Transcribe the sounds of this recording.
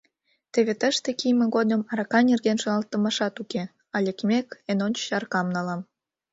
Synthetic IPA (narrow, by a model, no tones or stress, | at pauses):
t̪eβet̪əʃt̪ekijmeɣod̪əmɑɾɑkɑnʲerɣenʃonɑlt̪əmɑʃɑt̪uke | ɑlʲekmʲekenont͡ɕːɑrkɑmnɑlɑm